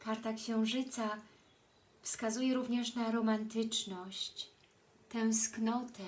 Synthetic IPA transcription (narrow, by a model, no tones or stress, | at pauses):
kaɾt̪akɕɛ̃w̃ʐɘt̪sa | fskazujɛɾuvɲɛʂnaɾɔmant̪ɘt͡ʂnɔɕt͡ɕ | t̪ɛ̃w̃sknɔt̪ɛ